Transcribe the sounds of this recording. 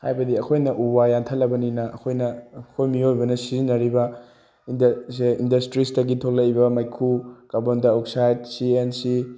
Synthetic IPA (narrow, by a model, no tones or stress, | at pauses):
hajbɐdiɐkʰojnɐʔubajantʰɐlːɐbɐninɐʔɐkʰojnɐkʰojmiojbɐnɐsizinɐɾibɐ | indseindɐstɾistɐɡitʰoklɐjbɐmajkʰukabondɐok̚sajd̚siensi